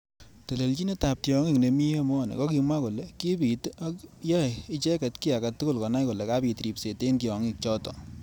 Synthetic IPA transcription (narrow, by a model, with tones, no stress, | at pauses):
te˨le˨lt͡ʃi˦ne˦ta˨p̚ti˨ɔ˨ŋi˦˨kne˨mi˦e˦mɔ˦˨nḛ˨kɔ˦ki˧mwa˦ko˨le˨ki˦pi˨ta˦jɔ˦jɪ˦t͡ʃɛ˦kɛ˨tki˦a˨ka˨tːu˦ko˦lkɔ˨na˦jko˨lɛ˨ka˦pi˨tɾi˨pse˨te˦nki˨ɔ˨ŋi˦k̚t͡ʃɔ˦tɔ˨